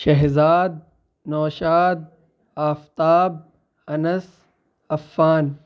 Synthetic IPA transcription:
ʃɐɦzaːd̪̚ | noːʃaːd̪̚ | aːft̪aːb̚ | ɐnɐs | ɐfːaːn

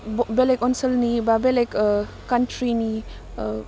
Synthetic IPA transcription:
belekɔnsəlnibabelek | kantɾini

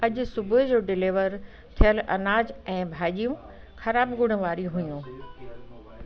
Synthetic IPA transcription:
ɐʄʊ̆sʊbʊd͡ʑoːɖɪliʋəɾ | t̪ʰijəlʔɐ̰naːd͡ʑɛ̃ːbʱaːʄijũ | xɐɾaːbɡʊɽ̤̃ə̆ʋaːɾiɦʊjũ

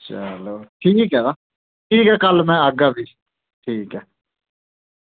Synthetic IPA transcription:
t͡ʃəloːʈʰiːkɦɛːd̪aː | ʈʰiːkɦɛːkəlmɛ̃ːəɡaːbʱiː | ʈʰiːkɦɛː

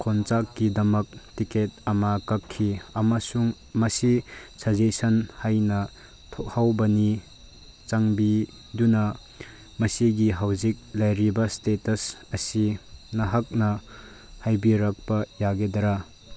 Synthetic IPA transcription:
kʰont͡ʃakːidɐmɐk̚tiket̚ɐmakɐkʰːiɐmɐsuŋ | mɐsisʰɐzejsɐnhajnɐ | tʰokhawbɐni | t͡ʃaŋbi | dunɐ | mɐsiɡiɦawzik̚lɐjɾibɐstetɐsɐsinɐɦɐk̚nɐ | hajbiɾɐk̚pɐjaɡedɐɾa

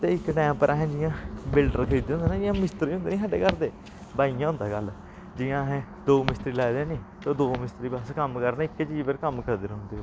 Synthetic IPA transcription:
t̪eːɪkːʈɛ̃ːmpəɾʔãɦɛ̃ːd͡ʒɪjãːbɪlɖəɾkʰəɾiːd̪ːʊnd̪eːnãːd͡ʒɪjãːmɪst̪ɾiːʊ̃nd̪ːnĩːɦəɖeːkəɾd̪eː | baːijãːɦʊ̃nd̪aːɡəlː | d͡ʒɪjãːɦɛ̃ː | d̪oːmɪst̪ɾiːlaːd̪ẽːnĩː | t̪oːd̪oːmɪst̪əɾiːbəskəmkəɾnẽːɪkːt͡ʃiːpəɾkəmkəɾd̪eːɾɦʊ̃nd̪eː

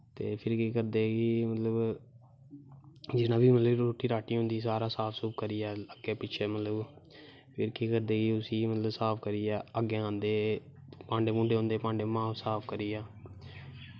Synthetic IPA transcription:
t̪eːpʰɪɾkiːkəɾd̪eːɡiːmət̪ləb | d͡ʒɪnãːbiːmət̪ləbɾoːʈiːɾaːʈiːɦõnd̪iːsaːɾaːsaːpʰsʊp̚kəɾiːɛːəɡːeːpɪt͡ʃʰeːmət̪ləb | pʰɪɾkiːkəɾd̪eːɡiːʊsĩːmət̪ləbsaːpʰkəɾiːɛːəɡeːãːnd̪eː | pãːɳɖeːmʊ̃ːɳɖeːɦõːnd̪eːpãːɳɖeːmãːsaːpʰkəɾiːaː

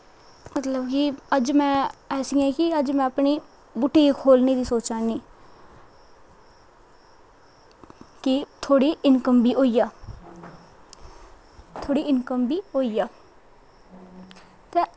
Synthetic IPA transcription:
mət̪ləbkɪəd͡ʒmɛ̃ːɛːsĩːãːkɪəd͡ʒmɛ̃ːəpneː | bʊʈiːkʰoːlneːd̪iːsoːt͡ʃaːniː | kɪt̪ʰoːɽiːʔɪnkəmbʱiːɦoːiːjaː | t̪ʰoːɽiːɪnkəmbiːɦoːiːjaː | t̪eː

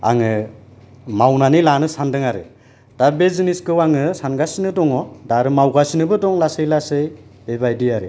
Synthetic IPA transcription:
a̰ŋɯ | mawnanilanɯsandɯŋaɾɯ̰ | d̥abeziniskɯwaŋɯsanɡasinɯdɔŋɔdaɾɯmawɡasinɯbɯdɔŋlasɯjlasɯjb̥ebajdijaɾɯ

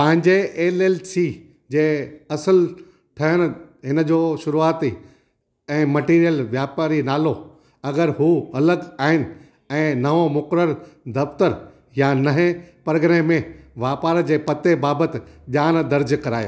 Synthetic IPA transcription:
pɐ̃ɦɪ̃ɲd͡ʑeeːlelsiː | d͡ʑeːɐsəl | ʈʰɐjəñʊ̆ɦɪnəd͡ʑoːʃʊɾuaːt̪ | ɛ̃ːmɐʈiːɾijəlʋjaːpaːɾinaːlo | ɐɡəɾɦuːɐləɡaːɦɪnɪ̆ | ɛ̃ːnɐʋomʊkəɾəɾd̪ʱɐft̪əɾ | janɐɦẽpɐɾəɡəɾẽmẽʋaːpaːɾd͡ʑeːpɐt̪ebaːbət̪ɪʄaːñd̪ɐɾd͡ʑkɐɾaːjo̰ː

